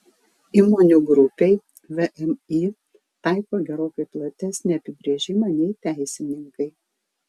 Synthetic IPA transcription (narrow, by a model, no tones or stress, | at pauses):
iːmoːnʲuɡɾʊpʲɛɪ | ʋʲɛʔɛmi | t̪ɑˑɪkoːɡʲɛɾoːkɐɪplˠɐt̪ʲɛsʲnʲiɐpʲɪbʲɾʲeːʒʲɪmɐnʲɛɪt̪ʲæˑɪsʲɪnʲɪŋkɐɪ